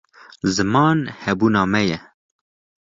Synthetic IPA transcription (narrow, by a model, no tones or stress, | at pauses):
zɨmɑːnhɛbuːnɑːmɛjɛ